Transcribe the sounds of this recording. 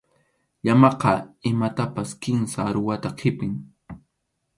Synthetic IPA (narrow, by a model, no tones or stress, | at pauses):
ʎamɑqɑɪmat̪apaskɪnsaɾʊwat̪aqʰɪpɪŋ